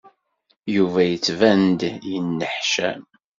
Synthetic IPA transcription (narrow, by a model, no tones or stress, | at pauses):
juvæjət͡sːvænd̪jənːəħʃæ